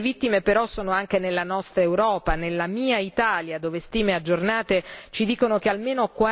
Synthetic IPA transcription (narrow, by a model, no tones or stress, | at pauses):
vit̪ːimepeɾɔsːoːnoaŋk̟enelːanɔst̪ɾaewɾɔːpanelːamiːait̪aːljad̪oːvest̪iːmead͡ʒːornaːt̪et͡ʃid̪iːkonok̟ealmeːnokwa